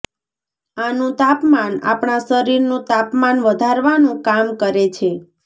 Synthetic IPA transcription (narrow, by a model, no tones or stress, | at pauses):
anũt̪apmana̰pɳasəɾiɾnũt̪apmanʋəd̪ʱaɾʋanũkamkəɾet͡ʃʰe